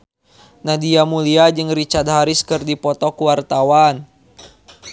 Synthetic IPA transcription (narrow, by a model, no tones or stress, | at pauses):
nadiamuliad͡ʒɨŋrit͡ʃart̪̚ɦaɾɪskɨrdipɔt̪ɔkuwart̪awan